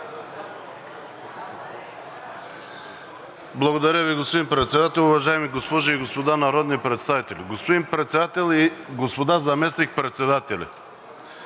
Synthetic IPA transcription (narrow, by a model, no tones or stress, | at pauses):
blˠɐɡod̪ɐɾʲjəviɡospod̪inpɾɛt̪sɛd̪at̪ɛlˠʊvɐʒaɛmiɡospɔʒɐiɡospod̪anɐɾɔd̪nipɾɛt̪st̪avit̪ɛlʲiɡospod̪inpɾɛt̪sɛd̪at̪ɛlˠiɡospod̪azɐmɛsnik̚pɾɛt̪sɛd̪at̪ɛlʲɐ̰